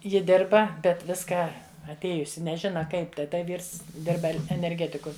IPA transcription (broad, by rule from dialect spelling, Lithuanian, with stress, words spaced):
ˈjɪ ˈdʲɪrbɐ bʲɛt ˈʋʲɪskɑː ɐtʲˈeːjʊsʲɪ nʲɛˈʒʲɪnɐ ˈkɐɪp tɐɪ ˈtɐ ˈʋʲiːrs ˈdʲɪrbɐ ɛnʲɛrʲˈɡʲæːtʲɪkʊ